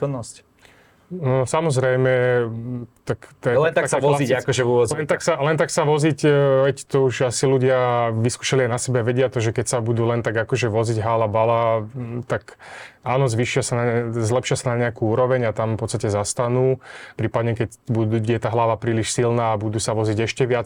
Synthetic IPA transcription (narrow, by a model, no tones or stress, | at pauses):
kɔnːɔsc | ɔsamɔzɾɛjmɛ | t̪akt̪ɛlɛnt̪asaɔiakɔʒɛuʋɔzlɛnt̪aksalɛnt̪aksaʋɔzicʋɛct̪ɔuʒasiluɟɪaʋiskuːʃaliajnasɛbɛʋɛɟɪat̪ɔʒɛkɛcsabud̪uːlɛnt̪aɡakɔʒɛʋɔziɟɦaːlabalat̪ak | aːnɔzʋiːʃɪasanazlɛpʃɪasanaɲɛakuuːɾɔʋɛɲat̪amfpɔt̪t͡st̪acɛzast̪anuːpɾiːpad̪ɲɛkɛcbud̪ujɛt̪aɦlaʋapɾiːliʃsilnaːbud̪uːsaʋɔziɟɛʃcɛʋɪat͡s